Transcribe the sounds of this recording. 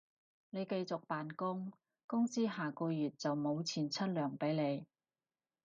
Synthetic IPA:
ne˨˧jke˧jt͡sʊ˨k̚paː˨nkʊ˥ŋ | kʊ˥ŋt͡siː˥ɦaː˨kɔː˧jyː˨t̚t͡sɐ˨wmo˨˧wt͡sʰiː˨˩nt͡sʰɐ˥t̚lœː˨˩ŋpe˨˥jne˨˧j

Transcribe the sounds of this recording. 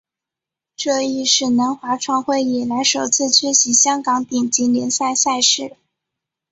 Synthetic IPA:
ʈ͡ʂɤ˥˧i˥˧ʂɻ̩˥˩nə˧˥nxwa˧˥ʈ͡ʂʰwɑ˧˥ŋxwe˥˩ɪi˨˩la˧˥ɪʂo˨˩ʊt͡sʰɹ̩˥˩t͡ɕʰɥɛ˥ɕi˧˥ɕjɑ˥ŋkɑ˧˥ŋp̪i˨˩ŋt͡ɕi˧˥nljɛ˧˥nsa˥˧ɪsa˥˧ɪʂɻ̩˥˩

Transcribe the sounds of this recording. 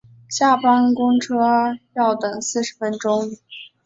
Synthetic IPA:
ɕja˥˩pa˥nkʊ˥ŋʈ͡ʂʰɤ˥jɑ˥˩ʊt̪ɤ˨˩ŋsɹ̩˥˩ʂɻ̩˧˩fə˥nʈ͡ʂʊ˥ŋ

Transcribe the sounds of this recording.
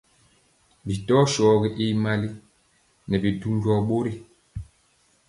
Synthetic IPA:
bi˨tɔ˦ʃɔː˨ɣi˦ʔi˦ma˦li˦ | nɛ˨bi˨du˦nd͡ʒɔ˨ɓo˦ɾi˦˨

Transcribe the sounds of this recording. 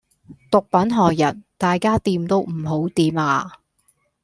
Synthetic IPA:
t̪ʊ˨k̚pɐ˨˥nɦɔː˨kjɐ̰˨˩nt̪aː˨jkaː˥t̪iː˧mt̪o˥wm̩˨˩ɦo˨˥wt̪iː˨˧maː˧

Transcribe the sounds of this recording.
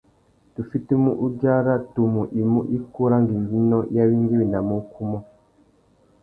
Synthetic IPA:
tu˨fi˦te˦mu˦ʔu˦ɟa˦ɾa˦tu˨mu˨ʔi˨mu˦ʔi˦ku˦ɾa˦ŋɡi˨mɡi˦nɔ˦ja˦βi˦ŋɡi˦wi˨na˨mu˦kʰu˦mɔ˦

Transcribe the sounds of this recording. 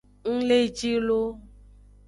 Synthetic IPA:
ŋ̩˦le˦d͡ʒi˦lo˦

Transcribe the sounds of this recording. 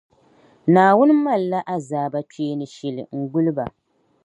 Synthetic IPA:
naː˨wʊ˦n˦ma˦˨lːa˦ʔa˦zaː˨ba˦t͡ʃi˦e˦nɨ˨ʃɛ˨lɨ̰˨ŋ̩˦˨ɡʊ˦lɨ˦ba˨

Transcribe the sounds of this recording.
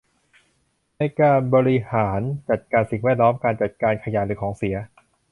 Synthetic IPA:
na˧jkaː˧nbɔː˧ɾi˧haː˩˦nt͡ɕa˨˩t̪̚kaː˧nsi˨˩ŋwɛː˥˩t̪̚lɔː˦˥mkaː˧nt͡ɕa˨˩t̪̚kaː˧nkʰa˧jaː˨˩lɯː˩˦kʰɔː˩˦ŋsi˩˦ɐ

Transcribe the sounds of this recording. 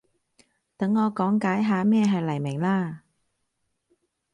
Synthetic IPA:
t̪ɐ˨˥ŋːɔː˨˧kɔː˨˥ŋkaː˨˥jɦaː˨˧mɛː˥˧ɦɐ˨jlɐ˨˩jmɪ˨˩ŋlaː˧

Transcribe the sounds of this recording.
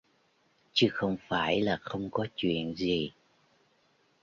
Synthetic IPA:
t͡ɕɨ˨˦xə˧wŋ͡mfaː˧˩jlaː˨˩xə˧wŋ͡mkɔ˨˦t͡ɕwḭ˧˨ənzi˨˩

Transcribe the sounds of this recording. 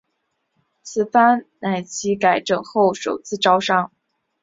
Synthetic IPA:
t͡sʰɹ̩˥˩fa˥nna˧˩ɪt͡ɕʰi˧˥ka˧˩ɪʈ͡ʂɤ˨˩ŋxo˥˩ʊʂo˨˩ʊt͡sʰɹ̩˥˩ʈ͡ʂɑ˥ʊʂɑ˥ŋ

